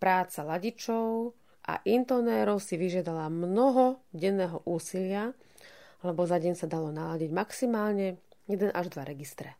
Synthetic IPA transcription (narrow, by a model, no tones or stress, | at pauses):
pɾaːt͡salaɟit͡ʃɔʊ | ʔa̰ʔint̪ɔnɛːɾɔʊsiʋiʒɪad̪alamnɔɦɔɟɛnːɛːɦɔʔuːsilɪa | lɛbɔzaɟɛɲsad̪alɔnalaɟiɟmaksimaːlɲɛjɛd̪ɛnʔaʒd̪ʋaɾɛɡist̪ɾɛ